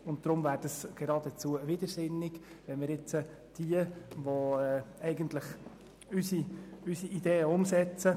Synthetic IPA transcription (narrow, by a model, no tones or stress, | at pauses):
ʊntd̪̥ɾʊmvæːɾd̥əsɡ̥ɛɾɑːdɛt͡suəvɪd̥̪əɾsɪnːɪɡ | ʋɛnmɪɾɪt͡sə | d̥iəʋoɛɛɪɡəntləχ | ysiysiʔid̪eːəʊmsɛt͡sə